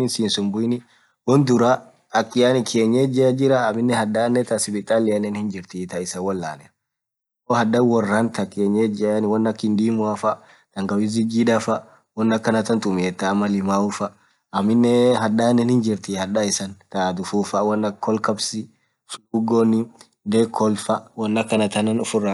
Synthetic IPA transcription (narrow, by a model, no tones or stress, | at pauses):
ɪnsiːnsɔmbʊjnɪ | wɔnd̪ʊɾa | ɐkːɪjanɪkʰeːɲːed͡ʒɪɾɐd͡ʒɪɾɐːmɪnːɛhɐᶑaːnːɛt̪ɐsɪbɪt̪ʼaːlːɪjɐnɛnhɪnd͡ʒɪɾt̪it̪ɐɪsɐwɔlːa̰ːnɛ | ohɐdɐwɔrːɐnt̪ʰɐkeːɲːed͡ʒɪnwɔnːɐkːɪnd̪iːmʊɐfɐ | t̪ɐŋɡɐwɪzɪd͡ʒid̪ɐfɐ | wɔnːɐkːɐnɐt̪ɐnt̪ʼʊmeɛt̪ːaːmːɐlɪmaːʊfɐ | ɐmːɪnːɛɦɐᶑaːnɛnhɪnd͡ʒɪɾt̪ihɐᶑɐɪsɐnt̪at̪ʊfuːfɐwɐnːɐkʰːɔlkɐbsɪ | suɡonɪ | d̪eːkːɔlfɐwɐnːɐkːɐnɐt̪ɐnɐnʊfʊrːɐ